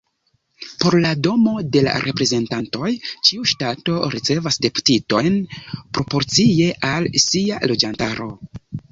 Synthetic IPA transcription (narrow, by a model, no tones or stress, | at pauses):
po̞ɾlado̞mo̞de̞la̰ɾʔe̞pɾe̞ze̞ntanto̞jt͡ʃiuʃtato̞ɾit͡se̞vasde̞pu̥tito̞jnpɾo̞po̞ɾt͡sie̞ʔalsialo̞d͡ʒantaɾo̞